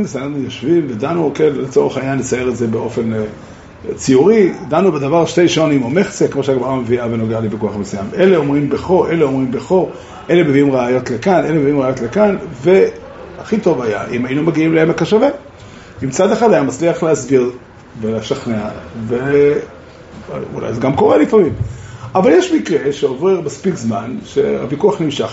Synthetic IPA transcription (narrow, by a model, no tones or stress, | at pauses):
nʃanaχnujoʃvimved̪anukenlet͡so̞ʁeχaiɲanlet͡saje̞ʁetze̞beo̞fe̞n | t͡siuʁid̪anubed̪avaʁʃtejʃonimomeχt͡sekemo̞ʃeaɡmaʁameviavenoɡealibekuaχbesujamʔeleo̞mʁimbeχo̞ʔe̞leo̞mʁimbeχo̞ | ʔe̞lemeviimʁaːjo̞tlekanʔe̞lemeviimʁaːjo̞tlekanve̞ | aχito̞vaja̰ʔimajinumaɡiimleemekaʃave | imt͡sad̪eχad̪ajamat͡sliaχleasbiʁ | veleʃaχneave | ṵla̰jzeɡamko̞ʁelifamimʔavaljeʃmikʁe̞ʃeovʁeʁmaspikzmanʃe̞̰a̰vikuaχnimʃaχ